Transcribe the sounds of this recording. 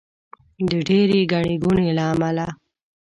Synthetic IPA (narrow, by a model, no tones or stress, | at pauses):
d̪əɖeɾeɡaɳeɡunelaːmala